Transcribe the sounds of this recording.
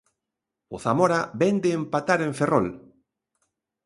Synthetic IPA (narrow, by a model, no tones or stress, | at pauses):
ʊθamoɾabɛnd̪eːmpat̪aɾẽɱferɔ̰l